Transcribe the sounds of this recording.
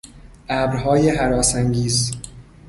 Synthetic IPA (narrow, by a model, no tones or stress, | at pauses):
ʔæːbɾɦɒːjeɦæɾɒːsæŋɟiːz